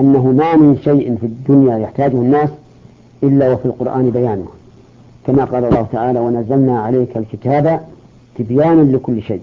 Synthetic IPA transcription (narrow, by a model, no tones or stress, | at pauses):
ʔanːaɦʊmamɪnʃajʔɪnfid̪ːʊnjajaħt̪aːd͡ʒʊhʊnːaːs | ʔɪlːawafilqʊɾʔaːnbajaːnʊh | kamaqɑːlɑlˤːɑːhʊt̪aʕaːlawanazːalnaʕaleːkalkɪt̪aːba | t̪ɪbjaːnalɪkʊlːʃḛjːʔ